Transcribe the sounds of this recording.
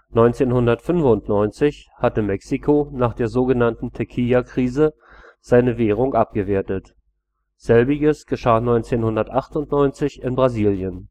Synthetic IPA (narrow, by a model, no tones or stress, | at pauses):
nɔʏnt͡seːnhʊndɐtfʏnfʊntnɔʏnt͡sɪçhatəmɛksikʰonaːχd̥eːɐzoːɡənantn̩tʰɛkʰiakʁ̥iːzə | z̥aɪnəveːʁʊŋʔap̚ɡ̥əveːɐtət | z̥ɛlbɪɡəsɡ̥əʃaːnɔʏnt͡seːnhʊndɐtʔaχtʊntnɔʏnt͡sɪçɪnbʁaziːljən